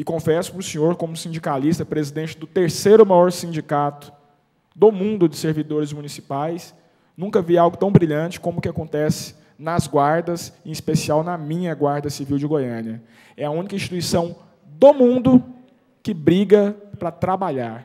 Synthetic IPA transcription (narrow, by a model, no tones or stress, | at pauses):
ɪkõfɛsʊ̥pɾʊsĩɲoɾkõmʊsĩd͡ʒikalist̪ɐpɾezid̪ẽnt͡ʃɪd̪ʊt̪eɾsejɾʊmajɔɾsĩd͡ʒikat̪ʊ̥ | d̪omũnd̪ʊd͡ʒɪseɾvid̪oɾɪzmunisi̥pajs | nũkɐviawɡʊt̪ɐ̃w̃bɾiʎɐ̃t͡ʃɪ̥kõmʊkɪakõnt̪ɛsɪ̥ | nɐzɡwaɾd̪ɐzẽispesiawnɐmĩɲɐɡwaɾd̪ɐsiviwd͡ʒɪɡojɐ̃njɐ | ɛɐũnikɐĩsʃt͡ʃi̥t̪uisɐ̃w̃ | d̪omũnd̪ʊ | kɪbɾiɡɐpɾɐt̪ɾabaʎaɾ